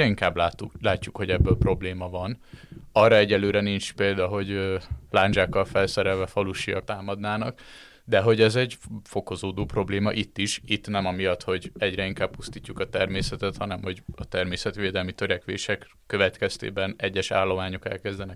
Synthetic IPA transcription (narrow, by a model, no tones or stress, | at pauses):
ɛiŋkaːblaːt̪ːulaːcːukho̞ɟɛbːøːlpro̞bleːmɒvɒnɒrːɒɛɟɛløːɾɛniɲt͡ʃpeːld̪ɒɦo̞ɟølaːɲd͡ʒaːkːɒlfɛlsɛɾɛlvɛfɒluʃijɒ̰k̚t̪aːmɒd̪naːnɒk | d̪ɛɦo̞ɟɛzɛɟfo̞ko̞zoːd̪oːpro̞bleːmɒ̰ʔit̪ːiʃit̪ːnɛmɒmijɒt̪ho̞ɟɛɟrɛiŋkaːb̚pust̪iːcːukɒt̪ɛrmeːsɛt̪ɛt̪hɒnɛmho̞ɟɒt̪ɛrmeːsɛt̪ʋeːd̪ɛlmit̪øɾɛkʋḛːʃɛkːø̞vɛt̪kɛst̪ḛːbɛnɛɟːɛʃa̰ːlːo̞maːɲo̞kɛ̰lkɛzd̪ɛnɛk